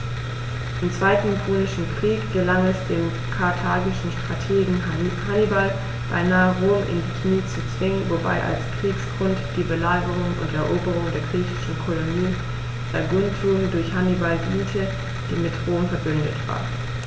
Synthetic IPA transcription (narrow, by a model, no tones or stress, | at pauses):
ʔɪmt͡sv̥aɪtn̩pʰoːnɪʃn̩kʁ̥iːkɡ̥əlaŋɛsd̥eːm | kʰaɐtʰaːɡɪʃn̩ʃtʁ̥atʰeːɡŋ̩hanibal | b̥a̰ɪnaːəʁoːmʔɪ̰ndikʰniːt͡sut͡sv̥ɪŋənvoba̰ɪʔa̰lskʁ̥iːksɡ̥ʁʊntd̥iːbəlaːɡəʁʊŋʊ̰ntɛɐʔoːbəʁ̞ʊŋdeːɐɡʁiːçɪ̥ʃn̩kʰɔloniː | d̥aɐɡʊntʰuːmdʊɐçhanibalɡiːntʰə | d̥iːmɪtʁoːmfɛɐbʏndə̰tv̥a̰ːɐ